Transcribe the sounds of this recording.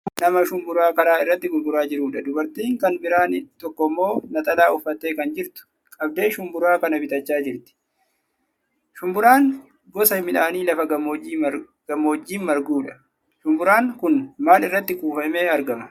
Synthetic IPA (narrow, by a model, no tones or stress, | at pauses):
nɐmɐʃʊmbʊɾaːkɐɾaːɪrːɐt̪ːɪɡʊlɡʊɾaːd͡ʒɪɾuːᶑɐd̪ʊbɐɾt̪iːŋkɐnbɪɾaːnɪt̪ɔkːɔmːo̞ːnɐt̪ʼɐlaːʊfːɐt̪ːeːkɐnd͡ʒɪɾt̪ʊ̥ | kʼɐb̚d̪e̞ːʃʊmbʊɾaːkɐnɐbɪt̪ʼɐt͡ʃːaːd͡ʒɪɾt̪ɪ̥ | ʃʊmbʊɾaːŋ | ɡɔsɐmɪᶑaːniːlɐfɐɡɐmːiː | ɡ̥ɐmoːd͡ʒːiːnmɐɾɡuːᶑɐ̥ | ʃʊmbʊɾaːŋkʊnmaːlɪrːɐt̪ːɪkuːfɐmeːɐɾɡɐmɐ